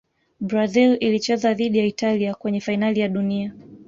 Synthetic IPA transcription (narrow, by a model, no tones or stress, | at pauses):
bɾazililit͡ʃɛzaðiɗijaitaliakwɛɲɛfainalijaɗunia